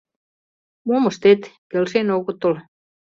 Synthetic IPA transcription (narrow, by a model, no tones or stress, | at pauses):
muomost̪et̪kelsenokut̪ːol